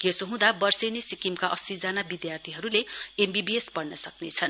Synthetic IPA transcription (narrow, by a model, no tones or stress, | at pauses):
jesoɦũd̪abʌrsenesikimkaʔʌsid͡zanabid̪jart̪ʰiɦʌɾuleembibiespʌɽnʌsʌknet͡sʰʌn